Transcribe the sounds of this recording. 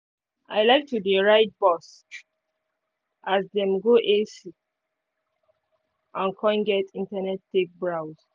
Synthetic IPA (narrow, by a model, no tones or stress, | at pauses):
a̰ɪlaɪk̚tudeɹaɪt̚bɔs | asdɛ̃mɡoʔesi | ãnkʰɔ̃nɡɛtĩntanɛtːek̚bɹawz̥